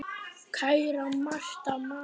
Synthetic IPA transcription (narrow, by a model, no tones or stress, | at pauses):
kʰajɾamaʃt̪ʼama